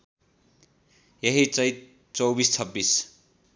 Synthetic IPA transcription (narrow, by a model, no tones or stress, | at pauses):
jʌɦit͡sʌjt̪̚ | t͡sʌwbist͡sʰʌbːis